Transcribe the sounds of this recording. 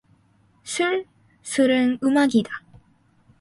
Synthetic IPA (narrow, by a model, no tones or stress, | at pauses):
sʰuɭ | sʰɯɾɯnɯmaɡida